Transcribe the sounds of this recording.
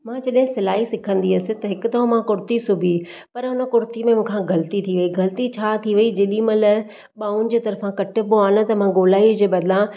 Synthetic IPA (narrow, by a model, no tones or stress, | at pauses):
mãt͡ɕɐɗɦɪ̃sɪlaːɦisɪkʰə̃nd̪iɐsɪ̆t̪ɐɦɪkʊt̪ɐɦõmãkʊɾt̪isʊbʱi | pɐɾɦʊnə̆kʊɾt̪imẽmũːkʰãɡɐlt̪it̪ʰiʋɐiɡɐlt̪it͡ɕʰaːt̪ʰiʋɐid͡ʑeːɗĩmɐ̃lɐ | ɓaːʊ̃nɪ̆d͡ʑeːt̪ɐɾfãkɐʈʰɪ̆poaːnə̆t̪ɐmãɡoːlaːiʊd͡ʑeːbɐd̪lã